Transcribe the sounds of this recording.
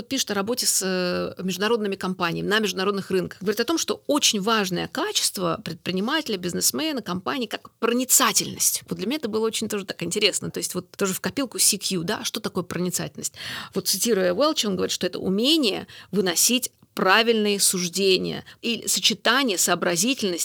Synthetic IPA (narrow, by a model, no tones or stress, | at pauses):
ot̪̚pʲiʂɨ̥t̪ɐɾɐbo̞tʲɪsəmʲɪʐd̪ʊnɐɾo̞d̪nɨmʲɪkɐmpanʲɪjːmʲɪnəmʲɪʐd̪ʊnɐɾo̞d̪nɨxrɨnkə̥xɡəvɐɾʲit̪ɐt̪o̞mʂt̪o̞ot͡ɕɪnʲvaʐnəjə̰kat͡ɕɪ̥st̪və̰pɾʲɪt̪̚pɾʲɪnʲɪmatʲɪlʲəbʲɪznɨsmɛnəkɐmpanʲɪːkakpɾənʲɪt̪satʲɪlʲnəsʲtʲvot̪d̪lʲɪmʲɪnʲaɛt̪əbɨlˠəo̞t͡ɕɪnʲt̪o̞ʐɨt̪akɪnʲtʲɪɾʲe̞snət̪o̞jɪsʲtʲvo̞t̪t̪ːoʐɨfkɐpʲilˠkʊsʲikjud̪a̰ʂt̪o̞t̪ɐko̞jəpɾənʲɪt̪sa̰tʲɪlʲəsʲtʲvo̞t̪sɨtʲiɾʊjəvɛlˠt͡ɕo̞nɡəvɐɾʲit̪ʂt̪o̞ɛt̪ə̰ʊ̰mʲenʲɪjə̰vɨnɐsʲitʲ | pravʲɪlʲnɨjəsʊʐdʲenʲɪ̰jə̰iɪ̰sət͡ɕɪt̪anʲɪjəsəːbɾɐzʲitʲɪlʲnəsʲtʲ